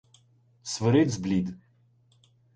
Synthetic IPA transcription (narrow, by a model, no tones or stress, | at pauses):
svəɾed̪zblid̪